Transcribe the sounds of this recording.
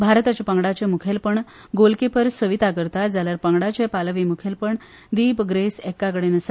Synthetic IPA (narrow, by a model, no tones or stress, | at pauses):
bʱaɾt̪at͡ɕapəŋɡɽat͡ɕemukʰelpəɳɡolkepəɾsəʋit̪akəɾt̪ad͡zaljaɾpəŋɡɽat͡ɕepalʋimukʰelpəɳ | d̪iːbɡɾesekːakəɽenəsa